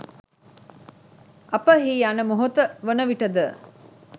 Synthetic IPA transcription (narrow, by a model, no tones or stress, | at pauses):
ʔɐpəɦiːanəmoɦot̪əʋonəʋiʈəd̪ə